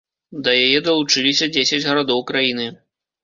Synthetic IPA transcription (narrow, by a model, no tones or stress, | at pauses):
d̪ɐjajɛd̪ɐlˠut͡ʂɨlʲisʲɐd͡zʲesʲɐd͡zʲɣɐɾad̪ɔwkɾajinɨ